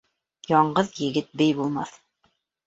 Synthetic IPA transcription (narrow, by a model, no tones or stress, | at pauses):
jɑɴɢɤðjɘ̆ɡɘt̪̚bɘjbulˠmɑθ